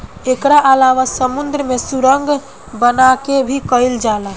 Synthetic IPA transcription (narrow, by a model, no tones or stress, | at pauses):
ekɾaʔəlaʋasəmund̪ɾəmesuɾəŋɡʱ | bənakebʱikəjld͡ʒalə